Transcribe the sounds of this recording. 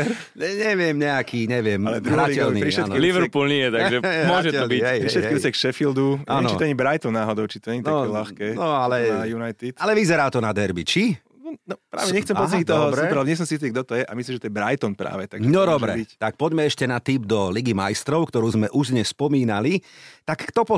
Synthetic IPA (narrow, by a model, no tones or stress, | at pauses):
ɾ | ɲɛʋɪɛmɲɛakʰiːɲɛʋɪɛmalɛɾualicɛlnipɾiʃɛaniliʋɛɾpuːlɲɛjɛt̪aɡʒɛmʊɔʒɛtɛɔbiɛjpɾiʃɛtkɛisɛkʃɛfild̪uaɛmnɔt͡ʃit̪aɲibɾajt̪ɔnːaːɦɔd̪ɔʊt͡ʃit̪ɔɲɛɲinaɔɛlaxkɛnɔalɛjunajt̪it̪alɛʋizɛɾaːt̪ɔnad̪ɛɾbit͡ʃi | nɔnɔpɾa̰ːʋɛɲɛxkt͡sɛmpɔɲit̪ɔɦɔbsɾɛuːɾlɛbɲɛs̬ɔmsiit̪ːiɡ̚d̪ɔt̪ɔjɛʔamislimʒɛt̪ɔjɛbɾajt̪ɔnpɾa̰ːʋɛt̪aɡʒɛnɔd̪ɔbɾɛ̰bict̪ak̚pɔɟmɛɛʃcɛnat̪iːbd̪ɔliɡimajst̪ɾɔʊkt̪ɔɾuːzmɛʔuʒd̪ɲɛspɔmiːnalit̪akːt̪ɔpɔ